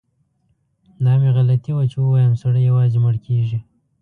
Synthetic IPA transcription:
d̪ɑmeɣalat̪iwat͡ʃewəwɑjəmsaɽəjawɑzeməɽkʰeʒi

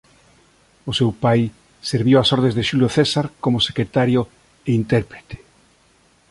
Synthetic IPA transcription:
ʊsewpaj | seɾβiwasɔɾð̞ẽzðeʃuljoθesaɾkomʊse̥kɾet̪aɾjo | eint̪ɛɾpɾet̪e̥

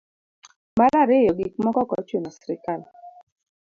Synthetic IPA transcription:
malaɾɪjɔɡik̚mɔkɔkɔ̰t͡ʃenɔsɾɪkal

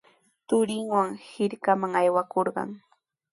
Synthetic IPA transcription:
t̪ʊɾɪŋwaŋhɪɾkamaŋajwakoɾɢɑ̰ŋ

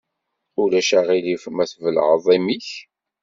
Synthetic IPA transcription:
ulæʃæʁilifəmæθvəlʕðˤimiç

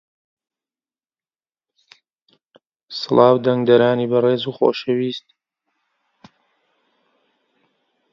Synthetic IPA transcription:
sɨlˠʔɑːwd̪ɐŋɡd̪ɐɾaːniːbɐreːzuxo̰ʃɐwiːst̪̚

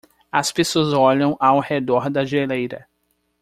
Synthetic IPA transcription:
ɐspesoɐzɔʎɐ̃w̃ʔawhed̪ɔɾd̪ɐʒelejɾɐ̰

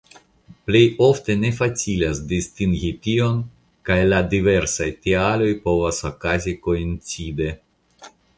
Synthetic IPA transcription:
ple̞jo̞fte̞ne̞fat͡silasdistiŋɡitio̞n | kajladive̞ɾsajtialo̞jpo̞vasokaziko̞int͡side̞

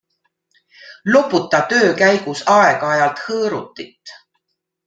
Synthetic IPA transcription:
lopːut̪ːˑɑt̪ø̞ːkæjɡ̥usɑeɡ̥ɑɑjɑlt̪hɤːɾut̪ːˑit̪ː

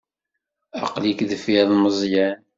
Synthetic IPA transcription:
ɑqlikðfiðˤməzˤjæn

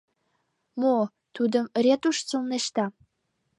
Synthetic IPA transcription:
mo | t̪ud̪ə̆mrʲet̪uʃt͡sulneʃt̪ɑ

